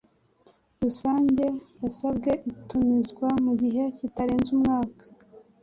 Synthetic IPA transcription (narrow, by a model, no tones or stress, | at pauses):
ɾusaːɲɟe̞jasab̚ɡe̞ʔitumizɡwamuɟiɦe̞citaɾe̞ːnzumŋaːkḁ